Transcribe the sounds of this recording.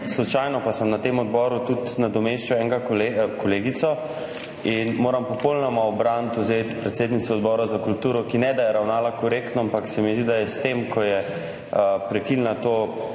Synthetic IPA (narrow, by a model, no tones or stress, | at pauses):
slut͡ʃajnɔpasəmnat̪emɔd̪bɔɾut̪ut̪nad̪ɔmeʃt͡ʃaɛŋɡaklekʰɔleːɡit̪sɔ | inmoːɾampɔpolnɔmaɔbɾant̪uzet̪pɾɛt̪seːd̪nit̪sɔːd̪bɔɾazakult̪uːɾɔkinɛd̪ajɛɾawnaːlakɔɾekt̪nɔampaksɛmizd̪id̪ajɛst̪emkʰɔjɛ | pɾɛkilnat̪o